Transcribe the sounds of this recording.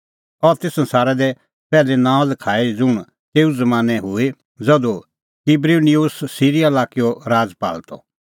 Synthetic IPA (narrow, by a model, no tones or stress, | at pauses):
ɔɾt̪esɐ̃nsaːɾɛd̪ɛ | pɛːlenãːɔ̃lɐkʰaːid͡zʊɳ̃ | t̪eːuzɐmãːnɛɦʊe | d͡zɐd̪o | kibɾiniusːiːɾijalaːkijoɾaːd͡zpa̰ːlt̪ɔ̰